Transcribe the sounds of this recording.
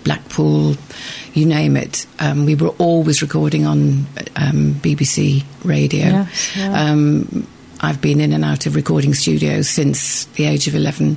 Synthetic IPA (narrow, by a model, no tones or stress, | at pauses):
b̥la̰k̚pʰɔːlˠjɨnẽɪ̃mɪ̰tʔʌ̃mwiwəɹʔɔlˠwɪzɹɪkʰɔːɾɪ̃ŋə̃nʔʌ̃mb̥ibisḭɹeɪdio̰ʊʌ̃m | ʔaɪvbĩnɪ̃nə̃naʊtʰəvɹɨkʰɔːɾɪ̃ŋst͡ʃʉːɾio̰ʊz̥sɪ̃nsðieɪd͡ʒəvɪlɛvə̃n̩